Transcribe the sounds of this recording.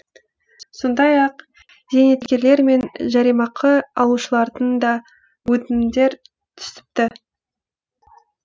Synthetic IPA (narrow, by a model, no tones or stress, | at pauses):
so̞nd̪ɑjɑq | z̥e̞ne̞t̪kʲe̞ɾle̞ɾme̞nʒɑɾijmɑqʰəɑlˠuʃəlˠɑɾd̪ənd̪ɑ | wɵt̪ɪmd̪e̞ɾ | t̪ʰʏ̥sɪ̥p̚t̪ɪ